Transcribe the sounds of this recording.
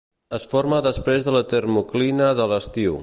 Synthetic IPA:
əsfoɾməðəspɾezðələt̪ərmuklinəðələst̪iw

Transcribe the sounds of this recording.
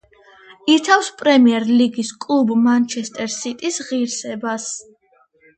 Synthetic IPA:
it̪ʰafspʼɾɛmiɛɾliɡiskʼlˠubmant͡ʃʰɛst̪ʼɛɾsit̪ʼisʁiɾsɛbas

